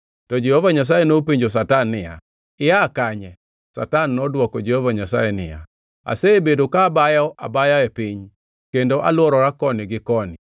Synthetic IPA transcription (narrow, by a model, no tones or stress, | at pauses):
tɔd͡ʒehovaɲas̬ajenopiɲd͡ʒos̬atanːɪja̰ | ɪjakaɲɛ | sa̰tanːɔdwɔkɔd͡ʒehovaɲasa̰jɛnɪ̰ja̰ | a̰sebedokaːbajɔʔa̰bajaɛpiɲ | kendoʔa̰lwɔɾɔɾakɔnɪɡɪkɔnɪ